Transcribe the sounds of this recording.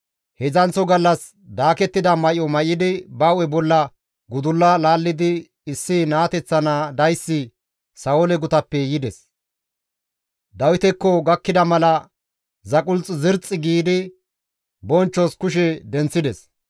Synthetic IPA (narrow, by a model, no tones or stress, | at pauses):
hɛzɐnt͡sːɔɡɐlːɐs | d̪aːkɛt̪ːɪd̪ɐmɐjɔmɐjɪd̪ɪbɐwɛbɔlːɐ | ɡʊd̪ʊlːɐlaːlːɪd̪ɪ | ɪsːɪnaːt̪ɛt͡sːɐnɐd̪ɐjsːɪ | sɐʊlɛɡʊt̪ɐpːɛjɪd̪ɛs | d̪ɐwɪt̪ɛkːɔɡɐkːɪd̪ɐmɐlɐ | zɐkʼʊlt͡sʼːzɪɾt͡sʼːɪɡiːd̪ɪ | bɔnt͡ʃːɔskʊʃɛd̪ɛnt͡sːɪd̪ɛs